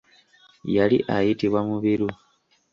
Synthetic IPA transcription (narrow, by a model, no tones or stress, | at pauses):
jalḭʔajitiβwamuβiɾu